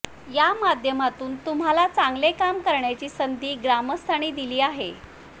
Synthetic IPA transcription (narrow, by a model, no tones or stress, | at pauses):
jamad̪ʱjəmat̪uːnt̪um̤ɦalat͡saŋɡlekamkəɾɳjat͡ɕiːsənd̪ʱiːɡɾaməst̪ʰaɽ̃iːd̪iliːaɦe